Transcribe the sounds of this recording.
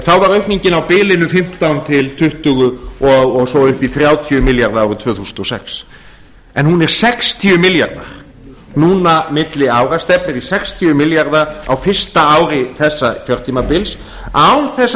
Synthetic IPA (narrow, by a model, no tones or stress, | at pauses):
θawvaɾœɥhpniɲcɪnawpɪːlɪnʏfɪm̥t̪awnt̪ʰɪlt̪ʰʏht̪ʏɣʏɔɣɔɣsɔwʏhpiθɾjaːwt̪ʰjʏmɪljaɾðaawɾʏt̪ʰv̥œːθusnt̪ɔsɛks | ɛnhunɛɾ̥sɛkst̪ʰiːʏmɪlja̰ɾða̰ɾ̥ | nuːnamɪt̪lɪaːwɾast̪ɛp̚nɪɾisɛkst̪ʰiʏmɪljaɾðaawfɪr̥st̪aaːwɾɪθɛsːakfjœɾ̥t̪ʰiːmapɪls | awθɛsː